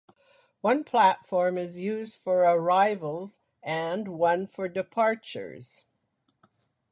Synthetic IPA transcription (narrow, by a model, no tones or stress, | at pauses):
wʌ̃npʰl̥ætfɔɹmɪzjʉzd̥fə˞ə˞aɪvəl̩ˠz | ɨ̃nwʌ̃nfə˞dɨpʰɑɹt͡ʃə̰˞z̥